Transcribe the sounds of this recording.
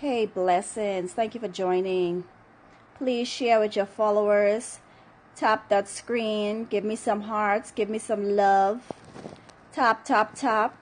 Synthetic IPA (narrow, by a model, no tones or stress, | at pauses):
heɪblɛsɪ̃ŋz̥θæ̃ŋkjɨfə˞d͡ʒɔ̃ɪ̃nɪ̃ŋ | pʰl̥iz̥ʃɛɹwɨðə˞fɑlˠoʊə˞z̥ | tʰɑp̚ðɨtskɹĩnɡɪvmisʌ̃mɦɑɹtsɡ̥ɪvmisʌ̃mlʌv̥ | tʰɑp̚tʰɑp̚tʰɑp̚